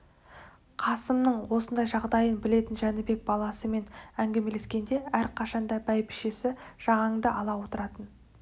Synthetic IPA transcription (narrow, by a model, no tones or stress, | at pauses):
qʰɑsəmnəɴwo̞sənd̪ɑjʒɑʁd̪ɑjənbɪle̞t̪ɪnʒænɪbe̞k̚bɑlˠɑsəme̞næŋɡʲe̞me̞le̞skʲe̞nd̪e̞æɾqʰɑʃɑnd̪ɑbæjpɪ̥ʃesɪʒ̥ɑʁɑɴd̪əʔɑlˠɑwo̞t̪əɾɑt̪ən